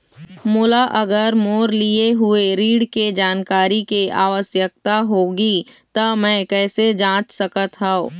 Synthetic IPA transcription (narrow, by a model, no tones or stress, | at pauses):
mʊlaʔɐɡəɾmoːɾlieɦʊeɾiːɽked͡ʒaːnkaːɾikeaːwəsjək̚t̪aɦoːɡit̪əmɛ̃ːkɛːsed͡ʒãːt͡ʃsɐkət̪ɦaoː